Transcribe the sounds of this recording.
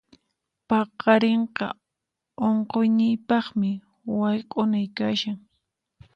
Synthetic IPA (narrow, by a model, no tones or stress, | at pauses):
pɑqɑɾeɴqɑ̰ | oɴqojnɪjpɑχmɪ | wajqʼʊnajkaʃaŋ